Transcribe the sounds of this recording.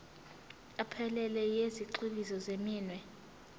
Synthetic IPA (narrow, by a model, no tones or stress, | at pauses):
apʰɛlɛlɛjeziǃiɓizɔzemiːnwɛ